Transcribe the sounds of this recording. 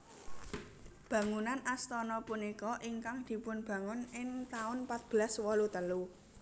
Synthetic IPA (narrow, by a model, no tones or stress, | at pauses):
b̥ä̤ŋunanast̪ɔnɔpunikɔʔiŋkaŋd̪̥i̤pʊnb̥ä̤ŋʊnɪŋt̪aʊnpat̪̚b̥əlaswɔlut̪əlu